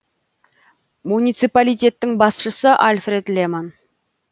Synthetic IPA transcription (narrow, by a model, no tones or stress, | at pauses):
munijt̪sipalijt̪ʲe̞t̪ːɪŋbɑsʃəsəʔalʲfre̞d̪leman